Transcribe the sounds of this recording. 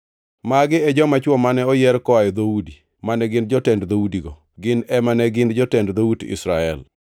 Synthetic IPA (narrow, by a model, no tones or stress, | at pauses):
maɡɪɛd͡ʒɔmat͡ʃwɔmanɛɔjɛɾkɔajɔd̪oudi | manɛɡɪn̚d͡ʒɔtɛndd̪oudiɡɔ | ɡɪnɛmanɛɡɪndd͡ʒɔtɛndd̪oudɪ̰sɾaɛl